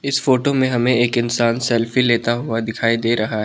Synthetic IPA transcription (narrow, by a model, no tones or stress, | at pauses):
ɪsfoːʈomẽɦɐmẽeːkɪnsaːnsɛːlfileːt̪aɦuad̪ɪkʰaːid̪eːɾɐɦaɦɛ